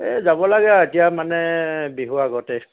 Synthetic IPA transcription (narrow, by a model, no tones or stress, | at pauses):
ɛzabɔlaɡɛaetijamanɛbiɦuaɡɔtɛ